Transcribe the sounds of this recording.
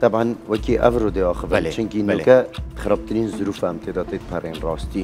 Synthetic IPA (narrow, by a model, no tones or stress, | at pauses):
t̪abʕanwɛkiʔæ̰vɾoːd̪eɑːxəvɨnt͡ʃʰʊŋkinoːkɛd̪xɪɾɑːb̚t̪ɪɾiːnzʊɾuːfmt̪ʰeːd̪ɑːt̪et̪̚pʰɛɾeːnrɑːst̪iː